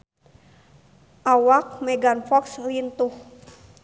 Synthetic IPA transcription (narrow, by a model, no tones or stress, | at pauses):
ʔawak̚mɛɡanfɔkslint̪uh